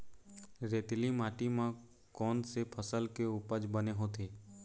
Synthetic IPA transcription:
ɾeːt̪limaːʈimã | kɔːnsepʰəsəlkeupəd͡ʒbəneɦot̪ʰeː

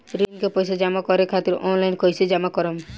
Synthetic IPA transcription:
ɾinkepɔjsed͡ʒamakɔɾekʰat̪iɾɔ̰nlajnkɔjsed͡ʒamakɔɾɔm

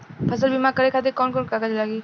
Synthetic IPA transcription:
pʰɐzəlbimakəɾekʰaːt̪̬ekɔːnkɔːnkakəd͡ʒlaːɡiː

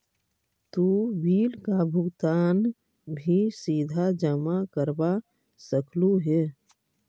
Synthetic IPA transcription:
t̪uʋiːlkabʱʊɡt̪aːn | bʱisiːd̪ʱad͡ʒəmakəɾba | səkʰluɦɛː

